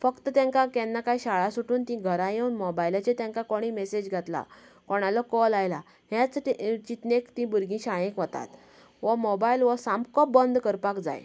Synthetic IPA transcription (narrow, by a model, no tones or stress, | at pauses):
fəkt̪ət̪jãŋkakɛnːakajɕaɭasuʈʰuːnt̪ĩɡʱəɾãjewunmɔbajlat͡ɕet̪jãŋkakoɽ̃iːmɛsed͡ʑɡʱat̪la̰kɔɽ̃alɔkɔlajla | het͡sʈit͡ɕit̪nekt̪ĩbuɾɡĩɕajẽkʋət̪a̰t̪ | ʋɔmobailʋəsamkɔp̚bənd̪kəɾpakd͡za̰j